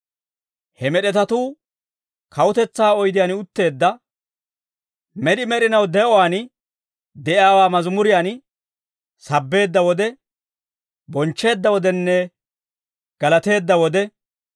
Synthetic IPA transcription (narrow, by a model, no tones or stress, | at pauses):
hɛmɛɗɛt̪ɐt̪uː | kʰɐwʊt̪ɛt͡sːaːɔjd̪ɪjaːnʊt̪ːe̞ːd̪ːɐ | mɛd̪ɪmɛɗɪnɐwd̪ɛʔɔwaːn | d̪ɛʔaːwaːmɐzmʊɾɪjaːn | sɐbːe̞ːd̪ːɐwɔd̪ɛ | bɔnt͡ʃːe̞ːd̪ːɐwɔd̪ɛnːɛ | ɡ̥ɐlɐt̪e̞ːd̪ːɐwɔd̪ɛ